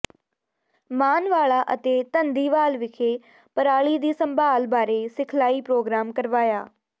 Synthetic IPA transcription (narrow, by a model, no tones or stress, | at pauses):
maːnʋaːɭaːʔət̪eːt̪ənd̪iːʋaːlʋɪkʰeː | pəɾaːɭiːd̪iːsəmbaːlbaːɾeːsɪkʰlaːiːpɾoːɡɾaːmkəɾʋaːjaː